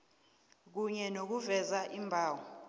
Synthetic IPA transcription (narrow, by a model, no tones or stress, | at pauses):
k̬uɲɛnok̬uvɛzaʔimbʱaːwɔ